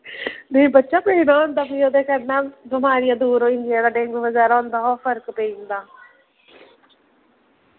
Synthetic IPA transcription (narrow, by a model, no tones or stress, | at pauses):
beːbətːʃaːpeinaːõːnd̪aːbiːoːd̪eːkəɾnaːbɪmaːɾɪjãːd̪uːɾõːɪnd̪ijãːd̪aːɖeːŋɡʋəzɛːɾaõːnd̪aːɦoːfʰəɾkpeind̪aː